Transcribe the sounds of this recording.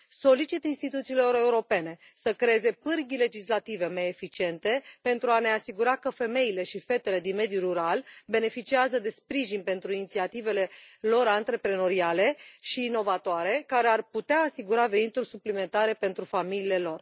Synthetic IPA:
so̞lit͡ʃit̪inst̪it̪ut̪siːloɾe̞uɾo̞pe̞ne̞ | səkɾeeze̞pɨrɡʲile̞d͡ʒislat̪ive̞maje̞fit͡ʃie̞nt̪e̞pe̞nt̪ɾuane̞asiɡuɾakəfe̞me̞ile̞ʃife̞t̪e̞le̞d̪inme̞d̪juɾuɾalbe̞ne̞fit͡ʃiazəd̪e̞spɾiʒinʲpe̞nt̪ɾuinit̪siat̪ive̞le̞lo̞ɾant̪ɾe̞pɾe̞no̞ɾiale̞ʃiːno̞vat̪oaɾe̞kaɾe̞arput̪eaːsiɡuɾave̞nit̪urʲsuplime̞nt̪aɾe̞pe̞nt̪ɾufamilie̞lo̞r

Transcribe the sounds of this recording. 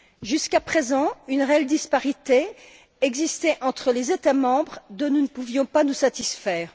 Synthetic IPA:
ʒyskapχezɑ̃ynʁeɛld̪ispaʁit̪e | ɛɡzist̪ɛʔɑ̃t̪χəlezet̪amɑ̃bʁd̪ɔ̃nunəpuvjɔ̃panusat̪isfɛːʁ

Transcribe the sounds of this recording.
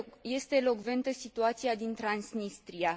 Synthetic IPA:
je̞st̪e̞lo̞kve̞nt̪əsit̪uat̪siad̪int̪ɾansnist̪ɾia

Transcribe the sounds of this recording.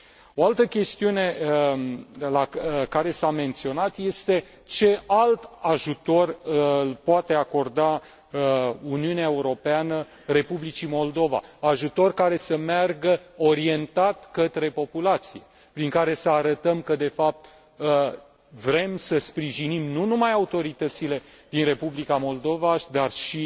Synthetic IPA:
o̞alt̪əkʲe̞st̪iune̞ | lakaɾe̞same̞nt̪sio̞nat̪je̞st̪e̞ | t͡ʃe̞alt̪aʒut̪o̞rɨlpoat̪e̞ako̞rd̪a | uniuneae̞uɾo̞peanə | re̞publit͡ʃimo̞ld̪o̞va̰aʒut̪o̞rkaɾe̞səmearɡəoɾie̞nt̪at̪kət̪ɾe̞po̞pulat̪sije̞̰ | pɾiŋkaɾe̞səaɾət̪əmkəd̪e̞fap̚t̪ | ə | vɾe̞msəspɾiʒinimnunumajaut̪o̞ɾit̪ət̪sile̞d̪̥inre̞publikamo̞ld̪o̞vad̪arʃi

